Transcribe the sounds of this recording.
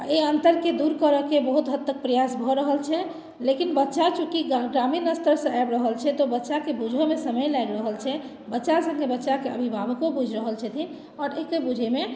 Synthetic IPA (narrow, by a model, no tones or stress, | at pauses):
aeənt̪əɾked̪uɾkəɾəkebəɦut̪ɦət̪ːək̚pɾəjasbʱɔɾəɦəlt͡ʃʰɛ | lekinbətːʃat͡ʃukiɡɾaminəst̪əɾsə̃ajbɾəɦəlt͡ʃʰɛt̪obətːʃakebud͡ʒʱemesəməjlajɡɾəɦəlt͡ʃʰɛ | bətːʃasə̃ŋɡebətːʃakeə̰bʱibʱabkobud͡ʒʱɾəɦəlt͡ʃʰɛt̪ʰin | ɔːɾekebud͡ʒʱeme